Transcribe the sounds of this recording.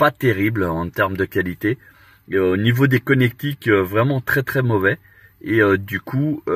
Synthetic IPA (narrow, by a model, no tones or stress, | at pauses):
pat̪eʁiblɑ̃t̪ɛʁmd̪əkʲalit̪e | onivod̪ekɔnɛk̚t̪ikøvʁɛmɑ̃t̪χɛt̪χɛmɔvɛ | eød̪ykʰuø